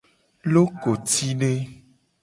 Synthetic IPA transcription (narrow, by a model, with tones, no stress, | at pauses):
lo˦ko˨t̪i˦ɖe˦